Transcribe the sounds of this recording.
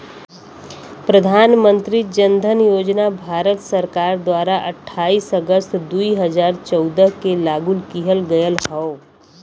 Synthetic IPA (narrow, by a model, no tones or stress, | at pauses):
pɾəd̪ʱaːnmə̃nt̪ɾid͡ʒə̃nd̪ʱənjoːd͡ʒnabʱaːɾət̪səɾkaːɾd̪waːɾaʔəʈʰːaːiːsəɡəst̪d̪uiɦəzaːɾt͡ʃɔʊd̪əɦkelaːɡʊlkiɦəlɡɐjəlɦao